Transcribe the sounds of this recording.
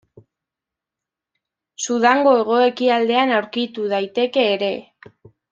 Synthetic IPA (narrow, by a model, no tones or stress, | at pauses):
suð̞aŋɡo̞e̞ɣ̞o̞e̞kiald̪e̞anawɾkit̪uð̞ajt̪e̞ke̞ːɾe̞